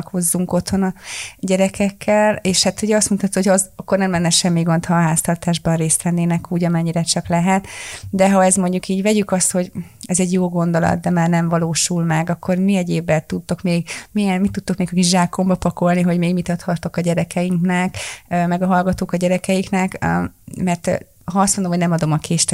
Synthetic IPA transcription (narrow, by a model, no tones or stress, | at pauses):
kho̞zːuŋko̞t̪ho̞nɒɟɛɾɛkʰɛkʰːɛleːʃhat̪oɟɛɒst̪munʰɒt̪ːuozɒkːo̞rnɛmlɛnːɛʃɛmːiɡo̞nt̪hɒɦaːst̪ɒrt̪aːʒbɒnreːst̪ʋɛnːeːnɛkuːɟɒmɛɲːiɾɛt͡ʃɒklɛɦɛt̪d̪ɛɦɒɛzmo̞ɲɟukiːɟvɛɟykɒst̪ho̞ɟɛzɛɟjoːɡo̞nd̪o̞lɒ̰t̪d̪ɛmaːrnɛɱvɒloːʃulmɛɡɒkːo̞rmiɛɟeːbːɛt̪ut̪ːokmeːɡmiɛnmit̪ːut̪ːokmeːɡɒkiʒaːkːo̞mbɒpɒko̞lniɦo̞ɟmeːɡmit̪ɒt̪hɒt̪o̞kɒɟɛɾɛkʰɛjiŋknɛkmɛɡɒɦɒlɡɒt̪oːkɒɟɛɾɛkɛjiknɛkmɛrt̪ | ɦɒɒst̪mond̪omɦonɛmɒd̪o̞mɒkʰeːʃt̪ɛ